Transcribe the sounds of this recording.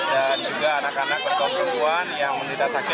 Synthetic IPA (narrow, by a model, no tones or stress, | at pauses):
dand͡ʒuɡaːnakanak̚ːət̪ɔpɾəmuanjaŋməmɾit̪asakɪ